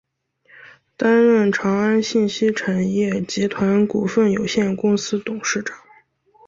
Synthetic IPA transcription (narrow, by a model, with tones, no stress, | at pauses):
t̪a˥nɻə˥˩nʈ͡ʂʰɑ˧˥ŋa˥nɕi˥˩nɕi˥ʈ͡ʂʰa˨˩njɛ˥˩t͡ɕi˧˥t̪ʰwa˧˥nku˨˩fə˥˩njo˨˩ʊɕjɛ˥˩nkʊ˥ŋsɹ̩˥t̪ʊ˨˩ŋʂɻ̩˥˩ʈ͡ʂɑ˨˩˦